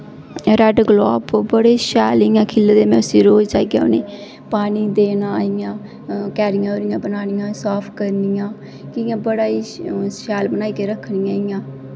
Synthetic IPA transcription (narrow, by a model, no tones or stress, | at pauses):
ɾɛːɖɡloːpbəɽeːʃɛːlɪjãːkʰɪlːd̪eːmɛ̃ːʊsiːɾoːt͡ʃaːiːɡa̰ːʊniː | paːniːd̪eːnaːɪjãː | kɛːɾɪjãːoɾɪjãːbənaːnijãːsaːpʰkəɾnijãː | kɪɪjãːbəɽaːiːʃɛːlbənaːiːkeːɾəkʰːɳijãːɪjãː